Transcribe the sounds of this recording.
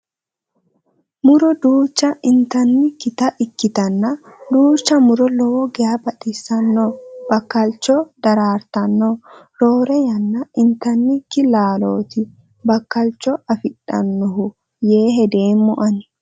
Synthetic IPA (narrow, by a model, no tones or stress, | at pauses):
mʊɾɔd̪uːt͡ʃːɐʔɪnt̪ɐnːɪkːɪt̪ɐʔɪkːɪt̪ɐnːɐd̪uːt͡ʃːɐmʊɾɔlɔwɔɡɛjabɐɗɪsːɐnːɔb̥ɐkːɐlt͡ʃːɔd̪ɐɾaːɾt̪ɐnːɔɾoːɾɛjɐnːɐɪnt̪ːɐnːɪkːɪlaːloːt̪ɪ | bɐkːɐlt͡ʃːɔɐfɪɗʼɐ̰nːɔɦʊ | je̞ːɦɛd̪e̞ːmːʊʔɐn